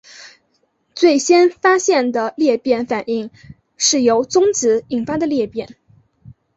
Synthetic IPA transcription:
t͡swe˥˩ɪɕjɛ˥nfa˥ɕjɛ˥˩nd̪ə˩ljɛ˥˧pjɛ˥˩nfa˨˩ni˥˧ŋ | ʂɻ̩˥˩jo˧˥ʊt͡sʊ˥ŋt͡sɹ̩˧˥i˨˩ŋfa˥d̪ə˨ljɛ˥˧pjɛ˥˩n

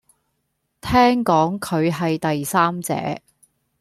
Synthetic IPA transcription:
t̪ʰɛː˥ŋkɔː˨˥ŋkʰɵ˨˧ɥɦɐ˨jt̪ɐ˨jsaː˥mt͡sɛ̰ː˨˥

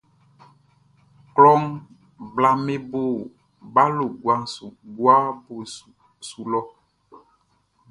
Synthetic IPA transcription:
klɔ˦ŋ | bla˨me˦bo˦˨ | ba˦lo˨ɡwa˨ŋsu˨ɡwa˦bo˨ | su˨lɔ˦

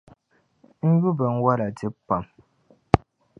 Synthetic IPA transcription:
ŋ̩˦ɡu˦bɛ˨ŋ̩˦wa˦la˨ti˦pːa˨m

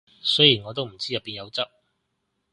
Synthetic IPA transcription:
sɵ˥jiː˨˩nŋɔ˨˧t̪o˥wm̩˨˩t͡siː˥jɐ˨pːiː˨˧njɐ˨˧wt͡sɐ˥p̚

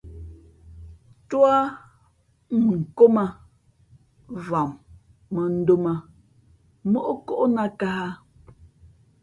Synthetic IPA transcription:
twa˦ | ŋ̩˨ko˦ma˨ | va˨ŋ | mə˨n̩˦do˦ma˨ | mo˦ʔo˦ko˦ʔo˦na˦ka˦ha˦

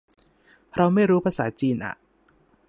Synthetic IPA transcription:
ɾa˧wma˥˩jɾuː˦˥pʰaː˧saː˩˦t͡ɕiː˧nʔa̰˨˩ʔ

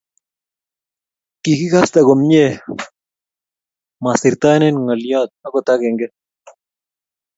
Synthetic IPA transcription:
ki˨ki˦ka˦st̪a˨kɔ˨mɲe˦ | masɪ˨ɾt̪a˦nɛ˦nŋa˨ljɔ˦t̪̚a˦kɔ˨t̪akɛ˨ŋɡɛ˦

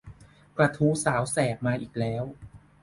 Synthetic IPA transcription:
pɾa˧t̪ʰuː˦˥saː˩˦wsɛː˨˩p̚maː˧ʔiː˨˩k̚lɛː˦˥w

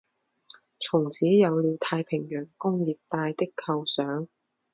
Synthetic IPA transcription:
t͡sʰʊ˨˩ŋt͡sʰiː˨˥jɐ˨˧wliː˨˧wt̪ʰaː˧jpʰɪ˨˩ŋjœː˨˩ŋkʊ˥ŋjiː˨˩p̚t̪aː˧jt̪ɪ˥kʰːɐ˧wsœː˨˥ŋ

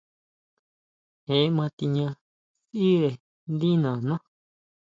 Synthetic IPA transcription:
he˨˦mã˧t̪i˧ɲã˧ | si˦ɾe˨ | nd̪i˦nã˨nã˦

